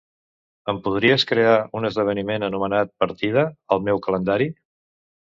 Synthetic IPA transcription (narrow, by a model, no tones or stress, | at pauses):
əmpuðɾiəskɾeaunəzðəβ̞ənimenənumənat̪̚pəɾt̪ið̞əːlˠmɛwkələnd̪aɾi